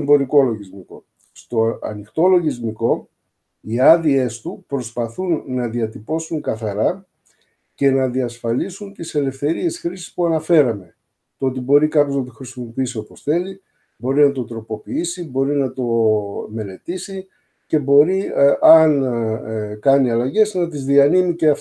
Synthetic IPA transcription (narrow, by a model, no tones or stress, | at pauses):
mbo̞ɾiko̞lo̞ʝizmiko̞̰ | st̪o̞ɐ̰nixt̪o̞lo̞ʝizmiko̞ | iɐðie̞st̪upɾo̞spɐθunːɐðiɐt̪ipo̞suŋkɐθɐɾɐ | ce̞nɐðiɐsfɐlisunt̪ise̞le̞fθe̞ɾie̞sxɾisi̥spuɐnɐfe̞ɾɐme̞ | t̪oot̪ibo̞ɾikɐpço̞znɐt̪oxɾisimo̞piisio̞po̞sθe̞li | bo̞ɾinɐt̪o̞t̪ɾo̞po̞piisibo̞ɾinɐt̪o̞me̞le̞t̪isi | ce̞bo̞ɾiʔɐn | kɐniɐlɐʝe̞znɐt̪̬izðiɐnimiceɐf